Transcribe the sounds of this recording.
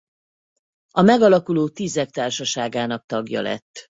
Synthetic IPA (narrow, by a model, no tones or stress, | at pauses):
ɒmɛɡɒlɒkuloːt̪izɛkt̪aːrʃɒʃaːɡaːnɒk̚t̪ɒɡjɒ̰lɛ̰t̪ː